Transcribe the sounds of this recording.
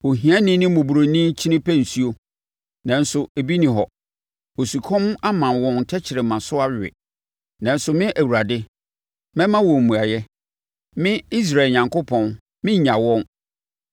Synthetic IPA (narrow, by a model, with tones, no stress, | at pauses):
o˨ɦĩ˨ã˦nɪ̃˦nɪ̃˦mʊ̃˨bu˨ɾo˨nĩ˦t͡ɕʰi˦nɪ̃˦pʰæ˦n̩˨su˦o˦ | nã˨n̩˦sʊ˨e˨bi˦nĩ˨ɦɔ˨ | o˨su˨kʰɔ̃˦m˦a˦mã˨wɔ̃˨n˨tʰɛ˦t͡ɕʰɪ˨ɾɪ˨mã˨sʊ˦a˦˨ɪ̰˨ | nã˨n˦sʊ˨mɪ̃˦ʔæ˨wu˨ɾa˨dɪ˦ | mɛ̃˦mã˦wɔ̃˨m̩ː˨ũ˨a˨jɛ˦ | mɪ̃˦i˦s̬ɾa˨ɲã˨ŋko˦pʰɔ̃˨n | mɪ̃˦ɲã˨wɔ̃˦n